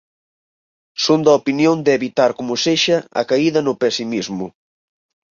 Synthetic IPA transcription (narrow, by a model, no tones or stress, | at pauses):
sund̪ɐopinjond̪eβit̪aɾkomʊseʃɐɐ̰kaiðɐnʊpesimizmʊ